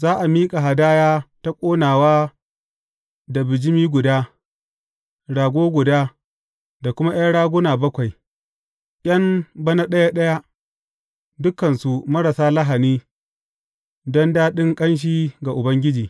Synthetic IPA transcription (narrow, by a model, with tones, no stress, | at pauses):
zaː˦ʔa˨miː˦kʼa˨ɦa˨daː˦jaː˦ta˦kʷʼoː˦naː˨waː˦ | da˨bɪ˨d͡ʒɪ˦miː˦ɡʷʊ˨daː˦ | ɽaː˨ɡʷoː˦ɡʷʊ˨daː˦ | da˨kʷʊ˦ma˦j̰a˦ɽaː˦ɡʷʊ˦naː˨bɐ˦kʷa˨j | ʔʲʼɐ˦mbɐ˦na˦ɗɐ˦ja˦ɗɐ˦ja˦ʔ | dʊ˦kɐ˨nsu˨mɐ˦ɽa˨saː˦lɐ˦ɦa˨niː˦ | dɔ˦ndaː˦ɗɪ˦ŋkʼɐ˦nʃ̬iː˦ɡa˨ʔʊ˨bɐ˦ŋɡʲɪ˦d͡ʒiː˨